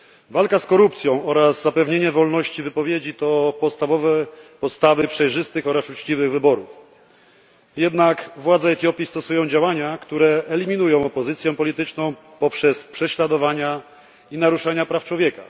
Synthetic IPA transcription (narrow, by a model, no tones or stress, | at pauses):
valkaskɔɾupt̪sʲjɔ̃w̃ɔɾazzapɛvɲeɲɛvɔlnɔɕt͡ɕivɘpɔvʲjed͡ʑit̪ɔpɔt̪st̪avɔvɛpɔt̪st̪avɘpʂɛjʐɘst̪ɘxɔɾasut͡ʂt͡ɕivɘɣvɘbɔɾṵf | jɛd̪nakvwad̪zɛɛt̪ʲjɔpʲist̪ɔsujɔ̃w̃d͡ʑawaɲakt̪uɾɛɛlʲimʲin̪ujɔ̃w̃ɔpɔzɘt̪sʲjɛ̃pɔlʲit̪ɘt͡ʂnɔ̃w̃ | pɔpʂɛspʂɛɕlad̪ɔvaɲa | inaɾuʂaɲapɾaft͡ʂwɔvjɛka̰